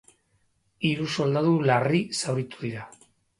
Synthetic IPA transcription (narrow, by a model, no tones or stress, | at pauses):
iɾuso̞ld̪aðularisawɾit̪uðiɾa